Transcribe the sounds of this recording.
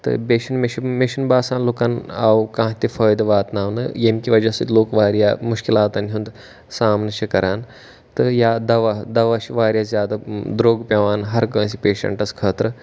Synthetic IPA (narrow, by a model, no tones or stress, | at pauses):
t̪ɨ̰beʃɐnmiʃɐmiʃɐnbaːsãːnloːkaːnawkãːt̪ʲifɐːjd̪ʋaːt̪naːʋnɨ̰jemkʲiʋɐd͡ʒɐsɐt̪ʲloːkʋaːɾjaːmʊʃkilaːt̪ɐnɦũnd̪ | saːmnɐʃikɐɾaːn | t̪ɨjaːd̪ɐʋad̪ɐʋaʃiʋaːɾʲjaːzʲjaːd̪ad̪ɾoːɡpʲɐʋaːnɦɐɾkɐns̬ipʲeːʃɐ̰ɳʈɐskʰəːt̪ɾɨ